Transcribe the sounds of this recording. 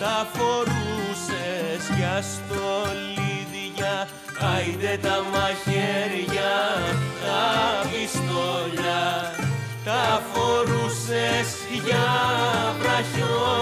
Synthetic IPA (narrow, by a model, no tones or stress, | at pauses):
t̪ɐfo̞ɾusesʝɐst̪oliðiʝɐ | ɐjid̪et̪ɐmɐçeɾʝɐt̪ɐvisk̪oʎɐ | t̪ɐfoɾuses | ʝɐ | pɾɐço